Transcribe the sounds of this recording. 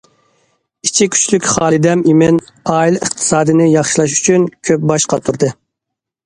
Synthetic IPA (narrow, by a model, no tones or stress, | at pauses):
it͡ʃʰikʲʰy̥t͡ʃlykʲχɑːlˠɨd̪ɛmimɪnɑːilˠəχt̪ʰɨ̥sɑːd̪ɨnɨjɑχʃilˠɑʃy̥t͡ʃʰynkʲʰøp̚bɑʃqɑt̪ʰuɾd̪ɨ